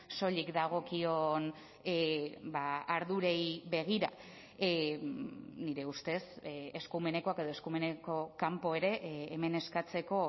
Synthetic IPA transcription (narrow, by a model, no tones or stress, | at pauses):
so̞ʎikd̪aɣ̞o̞kio̞n | baaɾðuɾe̞jβe̞ɣ̞iɾa̰ | niɾe̞ust̪e̞seskume̞ne̞ko̞ake̞ð̞o̞eskume̞neko̞kampo̞e̞ɾe̞ʔːme̞ne̞skat͡se̞ko̞